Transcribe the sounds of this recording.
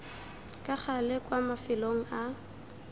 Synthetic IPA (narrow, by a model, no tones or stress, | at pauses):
kʼak͡xalɪkʼwamafɪloŋ̩a